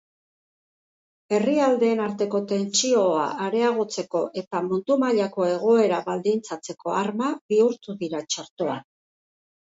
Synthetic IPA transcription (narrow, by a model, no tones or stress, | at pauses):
e̞riald̪e̞ːnaɾt̪e̞ko̞t̪e̞nt͡ʃio̞a̰aɾe̞aɣ̞o̞t͡se̞ko̞ʔe̞t̪amunt̪umaʎako̞e̞ɣ̞o̞e̞ɾaβald̪int͡sat͡se̞ko̞aɾmaβiuɾt̪uðiɾat͡ʃaɾt̪o̞a̰n